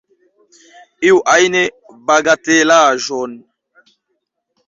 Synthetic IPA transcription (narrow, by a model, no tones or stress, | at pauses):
iwʔajne | baɡatelaʒɔn